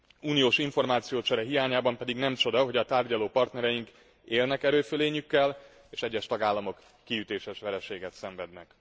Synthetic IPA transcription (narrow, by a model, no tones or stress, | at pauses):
uːnijoːʃiɱfo̞rmaːt̪sijoːt͡ʃɛɾɛɦijaːɲaːbɒmpɛd̪iɡnɛmt͡ʃo̞d̪ɒɦo̞ɟɒt̪aːrɟɒloːpɒrt̪nɛɾɛjiŋk | eːlnɛkɛɾøːføleːɲykːɛl | eːʃɛɟːɛʃt̪ɒɡaːlːɒmo̞kːiyt̪eːʃɛʃʋɛɾɛʃeːɡɛt̪sɛɱvɛd̪nɛk